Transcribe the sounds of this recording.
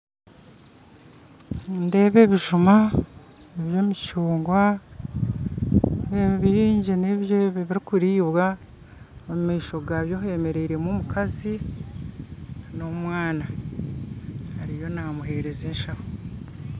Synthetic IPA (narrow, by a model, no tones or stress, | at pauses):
nde̞ːβe̞βiʒuma | eβjo̞micuːŋɡwa | eβiɾiːɲɟeneβjeβeβiɾikuɾiːβwa | omumiːʃo̞ɡaβjoɦe̞me̞ɾe̞iɾemumukʰazi | no̞mwaːna | haɾijo̞namuɦe̞ɾe̞zeːnʃaho